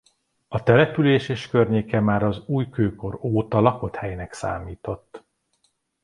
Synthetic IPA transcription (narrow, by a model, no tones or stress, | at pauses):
ɒt̪ɛlɛpyleːʃeːʃkørɲeːkɛmaːɾɒzuːjkøːko̞ɾoːt̪ɒlɒko̞t̪hɛjnɛksa̰ːmiːt̪o̞t̪ː